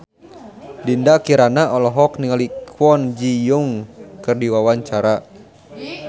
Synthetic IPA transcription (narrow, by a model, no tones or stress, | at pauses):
dindakiɾanaʔɔlɔɦɔkniŋalikʰwɔnd͡ʒijuŋkɨrdiwawaɲt͡ʃaɾa